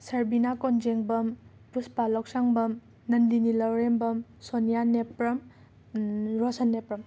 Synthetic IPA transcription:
sɐɾbinakɔnd͡ʒeŋbɐm | pɾuspalɔksaŋbɐm | nɐnd̪inilɔwɾembɐmsonijanepɾɐm | ɾɔsanːepɾɐm

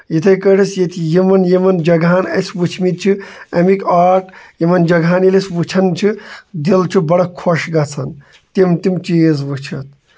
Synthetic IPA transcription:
jet̪ʰɐkəɾisjet̪ʰijimɐnjemɐnd͡ʒɐɡʱaːnɐsʋut͡ʃʰmit̪̚t͡ʃʰiɐmikaːɾʈʰjemɐnd͡ʒɐɡʱaːnilesʋut͡ʃʰɐnt͡ʃʰid̪ilt͡ʃʰubɐɽɐkʰoʂɡɐt͡sʰɐn | t̪imt̪imt͡ʃiːzʋut͡ʃʰɐt̪̚

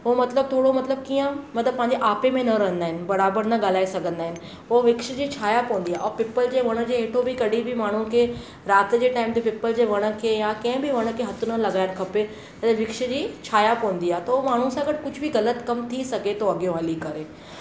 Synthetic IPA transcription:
ɦoːmɐt̪ləb̚t̪ʰoːɽomɐt̪ləb̚kiːə̃mɐt̪ləbpːɐ̃ɦɪ̃ɲ̆d͡ʑeʔaːpemẽnɐɾɐɦə̃nd̪aːɦɪnɪ̆bɐɾaːbəɾnɐɠaːlaːesɐɡʱə̃nd̪aːɦɪnɪ̆ | ɦoʋɪkʃd͡ʑiːt͡ɕʰaːjapɐ̃ːənd̪iaːɔːɾpɪpəld͡ʑeːʋɐɽ̃ə̆d͡ʑeːɦeːʈʰobʱikɐɽ̤ʱibʱimaːɳ̤ũkʰeː | ɾaːt̪d͡ʑeːʈaːɪmt̪epɪpəld͡ʑeːʋɐɽ̃ə̆kʰejãkɐ̃ɦɪ̃bʱiʋɐɽ̃ə̆kʰeːɦɐt̪ʰʊnəlɐɡaːɪɽkʰɐpe | t̪ɐeʋɪkʃəd͡ʑiːt͡ɕʰaːjapɐːə̃n̆d̪iaːɦet̪ɐomaːɳ̤ũsãɡɐɽkʊd͡ʑʱbʱiɣɐlət̪kɐmt̪ʰisɐɡet̪oɐɡjõɦəːlikɐɾeː

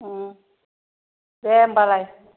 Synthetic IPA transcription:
bɛmbalaj

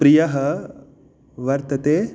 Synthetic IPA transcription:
pɾijɐɦɐ | ʋɐɾt̪ɐt̪eː

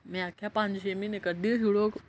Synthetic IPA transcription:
mẽakʰjapãɲd͡ʑɕeminekəd̪iɦiɭok

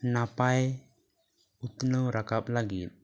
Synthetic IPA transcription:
napaj | ut̪nəwɾakap̚laɡit̪̚

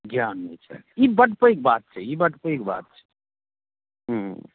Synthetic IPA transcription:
ɡjanːḛt͡ʃʰɛ̰ibəʈpəjk̚bat̪̚t͡ʃʰɛibəʈpəjk̚ba̰t̪̚t͡ʃʰɛ̥ | ɦ̩ɦ

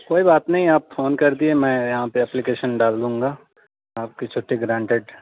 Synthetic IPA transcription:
koːibaːt̪nɐɦĩaːpfoːnkɐɾd̪iemɛ̃ːjɐɦãpeɛplikeːʃənɖaːld̪ũːŋɡaː | aːp̚kit͡ʃʰʊʈːeɡɾãːɳʈeɖ

